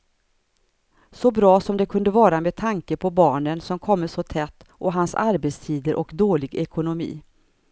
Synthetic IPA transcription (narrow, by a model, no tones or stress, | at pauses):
sɔbɾɑːsɔmd̪ɛkʰɵnd̪əvɑːɾameːd̪̚t̪ʰaŋkəpʰɔbɑːɳənsɔmkʰɔmːəsɔt̪ʰɛt̪ːʔɔɦansa̰ɾbet̪st̪ʰiːd̪əɾʔɔkd̪oːlɪɡɛkʰʊnʊmḭː